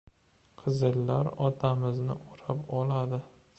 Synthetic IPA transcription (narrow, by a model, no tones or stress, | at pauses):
qʰɨzɨlːaɾɒt̪ʰamɪznɪ̰ʔoɾapɒlad̪ɪ